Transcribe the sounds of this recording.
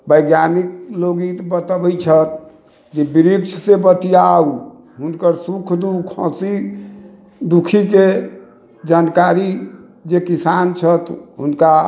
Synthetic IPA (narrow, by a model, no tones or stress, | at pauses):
bəjɡjanik̚loɡit̪bət̪əbəjt͡ʃʰət̪̚ | d͡ʒebiɾikt͡ʃʰsebət̪ijau | ɦunkəɾsukʰd̪ukʰɔ̰̃si | d̪ukʰike | d͡ʒankaɾi | d͡ʒekisant͡ʃʰət̪ɦunka